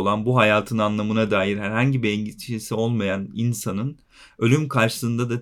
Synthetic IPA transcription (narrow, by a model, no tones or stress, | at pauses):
olˠanbuɦajaːt̪ʰɯnanlˠamɯnad̪aːjiɾɦæɾɦaɲɟibiɛɲɟiʃisio̞lˠmajaninsanɯn | ø̞lʲymkʰaɾʃɯ̥sɯnd̪ad̪a